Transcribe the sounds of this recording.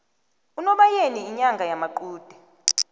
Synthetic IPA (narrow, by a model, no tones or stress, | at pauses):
unɔɓajeniːɲaŋɡʱajamaǃuːd̥ʱɛ